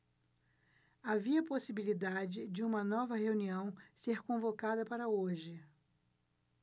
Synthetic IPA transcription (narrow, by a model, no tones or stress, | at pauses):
aviɐposibilid̪ad͡ʒɪd͡ʒɪũmɐnɔvɐheuniɐ̃w̃seɾkõvokad̪ɐpaɾɐoʒɪ